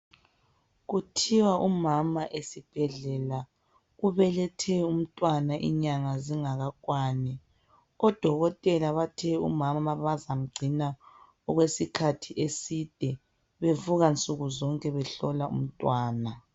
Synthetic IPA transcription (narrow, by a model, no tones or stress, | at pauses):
ɣutʰiwaʔumamaʔesib̥ʱɛɮɛla | uβɛlɛtʰɛum̩tʼwanaʔḭɲaŋaziŋaɣakʼwaːnɛ | ɔd̥ʱɔɣɔtʼɛlaβatʰɛṵmamaβaβazam̩ɡ͡ǀʱina | ɔɣwesikʰatʰiʔesid̥ʱɛ | βevuɣant͡sʼuɣuzɔŋkʼɛβɛɬɔlaṵm̩tʼwaːna